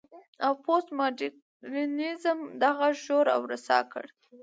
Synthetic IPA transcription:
awposmɑdi | ɾinizəmd̪aɣaʒoɾa̰wɾasɑ̰kə̰ɽ

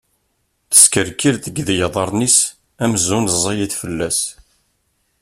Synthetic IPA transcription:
θə̥skəɾkilθəɡðjɑðˤɑɾˤnis | æmzunzˤɑjiθfəlːæs

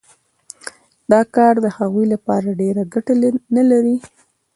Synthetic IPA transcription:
d̪ɑkɑɾd̪əhaɣujlapɑɾaɖeɾaɡaʈanalaɾi

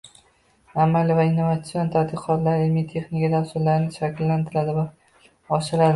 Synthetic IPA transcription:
amalɪvaɪnːovat̪sɪjo̞nt̪ʰad̪ɪqʰɒt̪laɾɪlmit̪ʰe̞χnɪkʲad̪asʊɾlaɾɪnɪʃakʲʰlːant̪ʰɪlad̪ɪva | ɒʃɪɾad̪ɪ

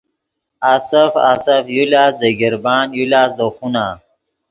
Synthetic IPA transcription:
asəfa̰safjulaːsd̪əɡiɾbaːnjulaːsd̪əxunaː

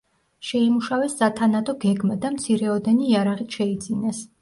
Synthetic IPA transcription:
ʃɛimuʃavɛsːat̪ʰanad̪ʰɔɡɛɡmad̪amt̪sʰiɾɛɔd̪ɛniːaɾaʁit̪ʃɛid̪zinɛs

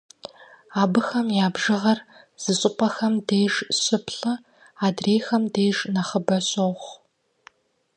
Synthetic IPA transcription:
aːbɨxɐmjaːbʒɨʁɐr | z̥ɨɕʼɪqʷɐxɐmdeːʒɕɨpʰɬɐ | aːdreːjxɐmdeːʒnɐχəbɐɕʼoχ

